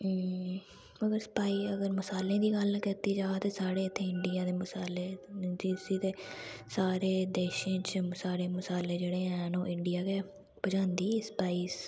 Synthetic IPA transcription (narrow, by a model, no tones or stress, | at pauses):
məɡəɾsə̥paːiːəɡəɾməsaːlẽːd̪iːɡəlkit̪iːd͡ʒaːt̪eːsaːɽeːət̪ʰːẽːɪɳɖɪjãːd̪eːməsaːleːd͡ʒisiːt̪eːsaːɾeːd̪eːʃẽːt͡ʃməsaːɽeːməsaːleːd͡ʒeːɽeːɦɛ̃ːnõːʔɪ̃ɳɖɪjaːkɛː | bəd͡ʒãːnd̪iːspaːiːs